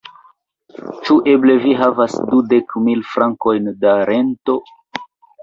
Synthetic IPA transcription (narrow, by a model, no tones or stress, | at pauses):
t͡ʃuʔe̞ble̞viɦavasdude̞kmilfɾaŋko̞jndaɾento̞